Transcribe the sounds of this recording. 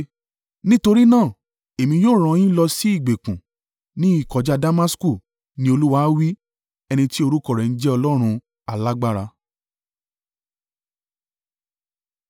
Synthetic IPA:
nĩ˦to˧ɾi˦nãː˦˨ | e˨mĩ˧joː˦˨ɾ̃ɔ̃˧j̃ĩ˦lɔ˧si˦i˦˨ɡ͡be˨kũ˨ | nĩ˦i˦˨kɔ˨d͡ʒa˧da˦ma˦sku˦˨ | nĩ˧˦o˧lu˦wa˦wi˦ | ɛ˧nĩ˧ti˦o˧ɾu˦kɔ˦˨ɾɛ˨n̩˦d͡ʒɛ˦ɔ˧lɔ˦ɾ̃ũ˧ | a˨la˦ɡ͡ba˦ɾa˧

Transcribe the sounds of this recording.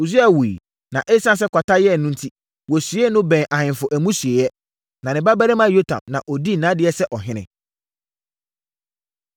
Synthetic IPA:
u˨s̬u˦a˨wu˨i˨ | nã˨ʔe˦sã˦ns̬ɛ˦kʰʷa˨ta˦jɛ˦˨nʊ̃˦n̩˦tʰi˦ | wɔ˨sɥe˦nʊ̃˦bɛ̃˨ʔa˨hɪ̃˨nfʊ˨ʔæ˨mũ˦sɥe˨jɛ˦ | nã˨nɪ̃˨ba˦bæ˦ɾɛ˦mã˦jo˦tʰã̰˨mnã̰˨ʔɔ˨di˦˨nã˨˦dɪ˦ɛ˦sɛ˦ʔɔ˨ɦɪ̃˦nɪ̰̃˨

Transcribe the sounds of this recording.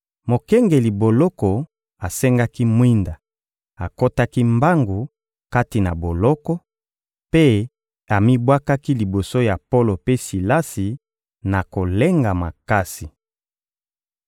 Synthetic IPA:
mo˨kɛ˦ŋɡe˨li˨bo˨lɔ˦kɔ˨ | a˨sɛ˦ŋɡa˦ki˦mwi˦nda˨ | a˨ko˦ta˦ki˦mba˦ŋɡu˨ | ka˦ti˨na˨bo˨lɔ˦kɔ˦ | pe˦ | a˨mi˦bwa˦ka˦ki˦li˨bo˨so˦ja˨po˦lo˨pe˦si˨la˦si˨ | na˨ko˨le˦ŋɡa˨ma̰˨ka˦si˨

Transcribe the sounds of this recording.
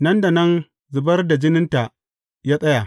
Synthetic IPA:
nɐ˦nda˨nɐ˦n | zʊ˨bɐ˦rda˨d͡ʒɪ˦nɪ˦nta˨ | jaː˦sʼɐ˦ja˨

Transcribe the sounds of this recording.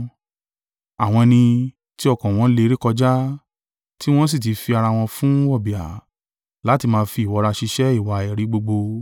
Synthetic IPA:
a˨w̃ɔ̃˧nĩ˧ | ti˦ɔ˦˧kɔ̃˨w̃ɔ̃˨˦le˧ɾi˦kɔ˧d͡ʒa˦ | ti˦w̃ɔ̃˦s̬i˦˨t̬i˨˦fi˧a˧ɾa˧w̃ɔ̃˧fũ˦ɔ˦˨bi˨a̰˨ | la˨˦ti˧mãː˧fi˧˦˨wɔ˨˧ɾa˧ʃi˧ʃɛ˦i˦˨wa˧ɛ˨ɾi˨˦ɡ͡bo˧ɡ͡bo˧

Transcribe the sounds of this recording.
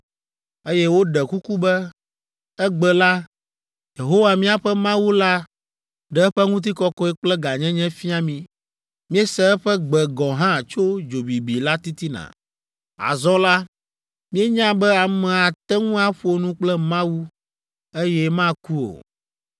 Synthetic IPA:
e˦jɛ˦wo˦ɖɛ˨ku˦ku˦bɛ˦ | ɛ˦ɡ͡bɛ˨la˦ | je˨ɦo˦wa˨mĩ˦a˨ɸɛ˦mã˦wu˦la˦ | ɖɛ˨ɛ˦ɸɛ˦ŋũ˦t̪̬i˦kɔ˦kɔ˦ɛ˦k͡plɛ˦ɡa˨ɲɛ̃˦ɲɛ̃˦fi˦a˨mĩ˨ | mĩ˦ɛ˦sɛ˦ɛ˦ɸɛ˦ɡ͡bɛ˨ɡɔ̃˨ɦã˦˨t͡ʃo˦d͡ʒo˨bi˨bi˨la˦t̪i˦t̪i˦nã̰˨ | a̰˨zɔ̃˦la˦ | mĩ˦ɛ˦ɲã˦bɛ˦a˨mɛ̃˨a˨t̪ɛ˦ŋũ˦a˦ɸo˨nũ˦k͡plɛ˦mã˦wu˦ | e˦jɛ˦mã˦ku˦o̰˨

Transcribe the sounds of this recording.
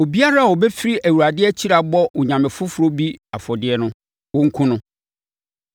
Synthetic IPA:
o˨bi˦a˦ɾa˦˨wo˨bɛ˦fɪ˦ɾi˦ʔæ˨wu˨ɾa˨dɪ˦ɛ˦t͡ɕʰi˦ɾa˨bɔ˦wʊ˨ɲã˨mɪ̃˨fʊ˦fʊ˨ɾo˦bi˦a˨fɔ˨dɪ˦ɛ˦nʊ̃˦ | wʊ̃˦ŋ̩˦kʰũ˦nʊ̃˦

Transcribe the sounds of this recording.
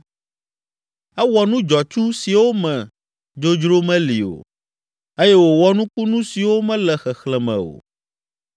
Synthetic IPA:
ɛ˦wɔ˨nũ˦d͡ʒɔ˨t͡ʃu˦si˨wo˦mɛ̃˨ | d͡ʒo˦d͡ʒɾo˦mɛ̃˦lḭ˨o̰˨ | e˦jɛ˦wo˨wɔ˦nũ˦ku˦nũ˦si˨wo˦mɛ̃˦lɛ˨xɛ˨xlɛ˨mɛ̰̃˨o̰˨

